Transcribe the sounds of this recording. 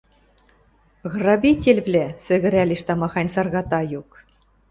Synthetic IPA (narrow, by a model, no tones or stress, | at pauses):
ɣrɑbʲitʲelʲvlʲæsɘ̆ɣɘ̆ɾʲælʲiʃt̪ɑmɑχɑnʲsɑrɣɑt̪ɑjuk